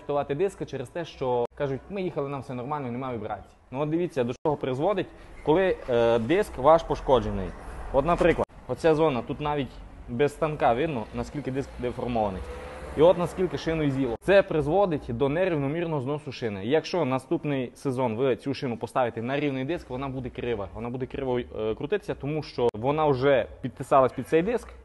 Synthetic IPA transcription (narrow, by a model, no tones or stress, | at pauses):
t̪ʊʋɑt̪ɪd̪ɪskɐt͡ʃɛɾest̪ɛʃt͡ʃɔkɑʒʊtʲmɪjixɐlˠɪnamfsɛnɔrmɑlʲnɔinemaʋʲibɾɑ̰t͡sʲːi̥nɔt̪̚d̪ɪʋʲit͡sʲːɐd̪ɔʃt͡ʃɔɦɔpɾɪzʋɔd̪ɪtʲkɔlˠɪd̪ɪskʋɑʃpɔʃkɔd͡ʒenɪ̰jɔt̪nɐpɾɪklˠɐd̪ɔt͡sʲazɔnɐt̪ut̪nɑʋʲitʲ | bɛsst̪ɐnkɑʋɪd̪nɔnɐskʲilʲkɪd̪ɪskd̪efɔrmɔʋɐnɪjiɔt̪nɐskʲilʲkɪʃɪnʊizʲilˠɔt̪sɛpɾɪzʋɔd̪ɪtʲd̪ɔnɛɾʲiwnɔmʲirnɔɦɔznɔsʊʃɪnɪijɐkʃt͡ʃɔnɐst̪upnɪjsezɔnʋɪt͡sʲuʃɪnʊpɔst̪ɑʋʲɪt̪ɛnɐɾʲiwnɪjd̪ɪskʋɔnɑbud̪ɛkɾɪʋɐʋɔnɑbud̪ɛkɾɪʋɔjkɾʊt̪ɪt̪ɪ̥sʲɐt̪ɔmuʃt͡ʃɔʋɔnɑʊʒɛpʲid̪̚pɪsɑlˠɐsʲpʲid̪t̪sɛjd̪ɪsk